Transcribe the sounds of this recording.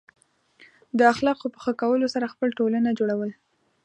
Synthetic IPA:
d̪əaxlɑqopəxakawəlosaɾaxpəlʈolanad͡ʒoɽawəl

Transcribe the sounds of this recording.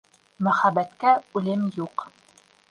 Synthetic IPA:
mæχæbæt̪kæʉlɘmjuq

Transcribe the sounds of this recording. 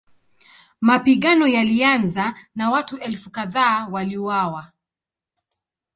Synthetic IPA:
mapiɠanɔjalianzanawatuʔɛlfukaðaːwaliuwawa

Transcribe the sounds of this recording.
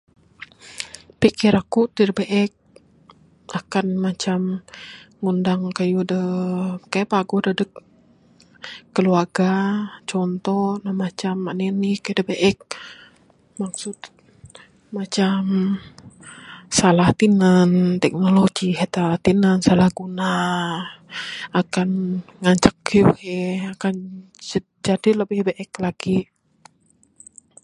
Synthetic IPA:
pikiɾakut̪iɾəbeʔɛk̚ | akanmat͡ʃam | ŋundaŋkajudəkajaʔpaɡudədək | əluarɡat͡ʃɔnt̪ɔnahmat͡ʃamːaʔnɛnikaudəbeʔɛk̚ | mak̚sʊt̪ | mat͡ʃam | salaht̪inant̪ɛk̚noloɡiɦet̪at̪inənsalahɡuna | akanŋaɲt͡ʃakjuhɛakan | d͡ʒadiləbɪhbeʔɛklaɡ̥i

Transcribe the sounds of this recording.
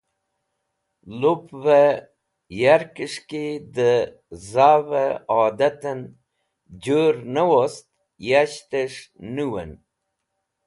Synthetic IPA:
lupvə | jaɾkiʂkid̪ə | zaːvəɔːd̪at̪ən | d͡ʒoɾnəwost̪ | jaɕt̪əʂnuwə̰n

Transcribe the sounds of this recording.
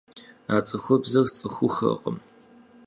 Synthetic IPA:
aːt͡sʼɐxʷɔbzɐrt͡sʼɨxʷʊxɐ̰qʼə̰m

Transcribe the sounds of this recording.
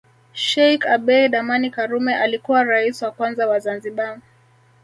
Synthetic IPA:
ʃɛjkaɓɛɗamanikaɾumɛʔalikuwaɾaisiwakwanzawazanziɓa

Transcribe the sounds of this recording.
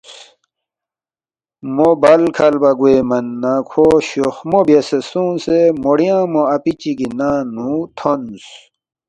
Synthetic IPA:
mobɐlkʰɐlbɐɡuemɐnːakʰoɕoxmobjesesũːnsemoɽijãːmoɐpit͡ɕiɡinaːnũt̪ʰons

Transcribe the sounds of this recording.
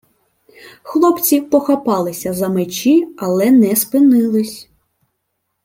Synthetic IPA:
xlˠɔpt͡sʲipɔxɐpɑlˠɪsʲɐzɐmet͡ʃiɐlˠɛnɛspɪnɪlˠɪsʲ

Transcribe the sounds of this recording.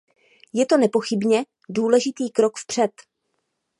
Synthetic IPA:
jɛt̪o̞nɛpo̞xɪbɲɛ | duːlɛʒɪt̪iːkɾo̞kfpr̥ɛt̪

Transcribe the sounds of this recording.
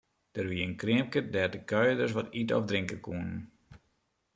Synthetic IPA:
d̥ərʋiəənkrɪəmkədɛtəkœɥədəs̬ʋɔtitɔ̰fdrɪŋkəkuənn

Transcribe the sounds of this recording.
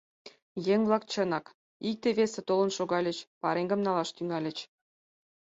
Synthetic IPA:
jeŋʲvlˠɑkt͡ɕə̆nɑk | ik̚t̪eβʲesĕt̪olɤ̆nʃoɣɑlʲə̆t͡ɕpɑɾeŋʲɡɤ̆mnɑlˠɑʃt̪yŋɑlʲə̆t͡ɕ

